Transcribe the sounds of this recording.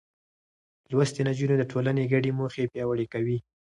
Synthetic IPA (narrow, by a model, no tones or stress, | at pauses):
lwast̪enad͡ʒunod̪əʈʰolaneɡaɖemoxepjɑwaɽekawi